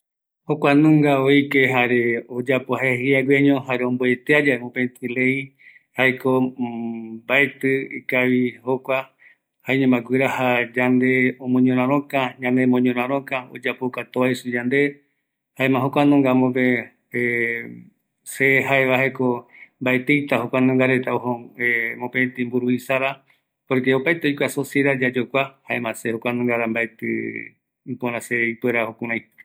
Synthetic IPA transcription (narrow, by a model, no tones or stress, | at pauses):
hokʷanũŋɡaoikeɦaɾeod͡ʒapoahehiaɡweɲõhaɾeõmboe̞t̪ead͡ʒaemõpẽt̪ile̞i | haeko | bae̞t̪ɨikaʋihokʷa | haĩɲẽmaɡʷɨɾahad͡ʒand̪e̞õmõɲõɾ̃ãɾ̃õkaɲãnd̪emõɲõɾ̃ãɾ̃õkao̰d͡ʒapokat̪oaisud͡ʒand̪e̞ | haẽmãɦokʷanõŋɡamopẽ | seɦaeʋahekombaet̪ejt̪ahokʷanõŋɡaɾe̞t̪aohõemõpet̪imbuɾuisaɾa | poɾkeopajt̪eojkʷasoseɾad͡ʒad͡ʒokʷahaemãsehokʷanõŋɡaɾambaet̪ɨ̰ | ipõɾ̃ãseipweɾahokũɾ̃ãjt̪